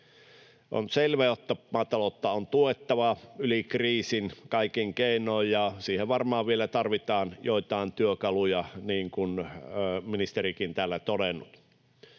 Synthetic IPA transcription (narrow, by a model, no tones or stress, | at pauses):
ʔo̰nselʋæjot̪ːɑmɑːt̪ɑlot̪ːɑont̪uet̪ːɑʋɑylikriːsinkɑˑikiŋkeˑinˑojjɑsiːheʋʋɑrmɑːʋʋielæt̪ɑrʋit̪ɑːnjoit̪ɑˑent̪yøkɑlujɑniːŋkun | minist̪erikint̪æːlːæt̪odenːut̪